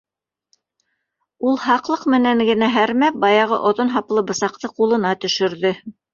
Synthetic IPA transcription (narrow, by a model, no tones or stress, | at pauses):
ulˠɦɑqlˠɤqmɘ̆næŋɡɘ̆næɦæɾmæp̚bɑjɑʁɤ̰ʔŏðonɦɑplˠɤbɤ̆sɑq̚t̪ɤqulˠɤ̆nɑt̪ɵ̆ʃɵ̆ɾðɵ